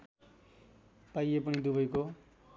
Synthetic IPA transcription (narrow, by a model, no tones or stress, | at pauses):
pajepʌnid̪ubʌjko